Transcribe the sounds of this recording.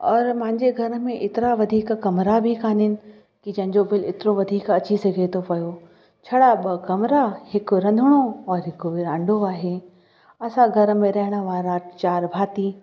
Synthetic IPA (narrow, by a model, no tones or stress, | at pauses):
ɔːɾmɐ̃ɦɪ̃ɲd͡ʑeɡʱɐɾə̆mẽʔɪt̪ɪɾaʋɐd̪ʱiːkkɐmɾabʱikʰaːnɪnɪ̆ | kid͡ʑɐ̃ɦɪ̃ɲd͡ʑobɪlɪt̪ɪɾoʋɐd̪ʱiːkɐt͡ɕisɐɡʱet̪ʰopɐjo | t͡ɕʰɐɽaɓɐkɐmɾahɪkɾɐ̃nd̪ʱəɽ̃oɔːɾɦɪkoʋiɾãːɳɖʱoaːɦe | ɐsãɡʱɐɾə̆mẽɾɐɦɪɽ̃ə̆ʋaːɾãt͡ɕaːɾbʱaːt̪iː